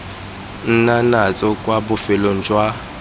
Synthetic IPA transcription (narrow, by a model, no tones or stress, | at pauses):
n̩nanat͡sʼɔkʼwaɓʊfɛlɔnd͡ʒʱʼwa